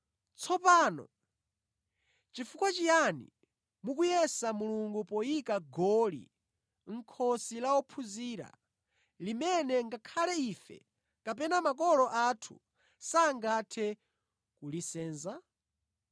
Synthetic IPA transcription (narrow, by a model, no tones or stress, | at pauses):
t͡sʰɔpaːnɔ̰ | t͡ʃifukwat͡ʃijanḭ | mukujɛsamuluŋɡupɔjikaɡɔlḭ | ŋ̩kʰɔsilaɔpʰuziːɾa̰ | limɛnɛŋɡakʰalɛiːfɛ̰ | kapɛnamakɔlɔʔatʰṵ | saːŋɡatʰɛ | kulisɛːnza